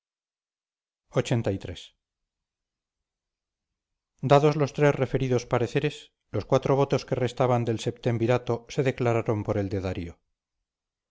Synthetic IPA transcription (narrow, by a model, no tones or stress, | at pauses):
o̞t͡ʃe̞nt̪ajt̪ɾe̞s | d̪aðo̞zlo̞st̪ɾe̞zre̞fe̞ɾiðospaɾe̞θe̞ɾe̞s | lo̞skwat̪ɾo̞β̞o̞t̪o̞ske̞re̞st̪aβand̪e̞lse̞p̚t̪e̞mbiɾat̪o̞se̞ðe̞klaɾaɾo̞mpo̞ɾe̞ld̪eðaɾio